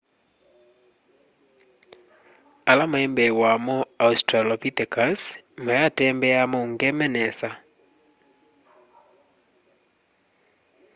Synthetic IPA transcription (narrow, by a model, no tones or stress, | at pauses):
alamoɛmbɛwamoaustɾalɔpit̪ekasmojatɛmbɛamouŋɡɛmɛnɛsa